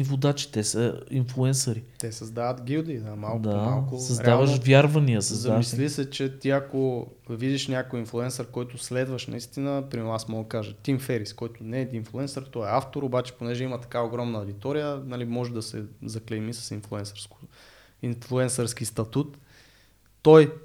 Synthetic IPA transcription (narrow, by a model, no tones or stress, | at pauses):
ivod̪at͡ʃi̥t̪ɛsəinflˠuɛnsɐɾit̪ɛsɐzd̪avət̪ɡʲiwd̪id̪amalˠd̪amalˠkʊsɐzɾɛavəʃvʲjaɾvɐniəsɐzzɐamislisɛt͡ʃɛt̪iɐko | vid̪iʃnʲakojinflˠuɛnsəɾkɔjt̪ʊslɛd̪vəʃnɐ̰ist̪inəpɾimɛɾmasmɔɡəkaʒət̪imfɛɾiskɔjt̪ʊnɛːd̪inflˠuɛnsəɾt̪ɔɛaft̪oɾobat͡ʃɛ̥ponɛʒɛimət̪ɐ̥kaoɡɾɔmnəɐwd̪it̪ɔɾijənɐlimɔʒɛd̪ɐsɛzɐklɛmisɐ̥sinflˠuɛnsɾskʊ̥ | inflˠuɛnsəɾsk̟ist̪ɐt̪ut̪ː | oj